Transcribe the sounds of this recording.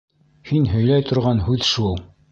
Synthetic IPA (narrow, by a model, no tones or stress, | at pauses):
hinhɵ̆jlæjt̪ŏɾʁɑnhʉðʃulˠ